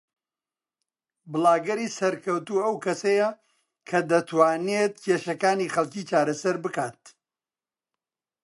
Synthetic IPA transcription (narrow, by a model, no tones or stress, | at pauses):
bɨlˠaːɡɐɾiːsɐɾkʰɐwt̪uɐwkʰɐsɐjɐ | kʰɐd̪ɐt̪ʰwaːnet̪̚cʰeːʃɐkaːniːχɐlˠciːt͡ʃaːɾɐsɐɾbɨkaːt̪̚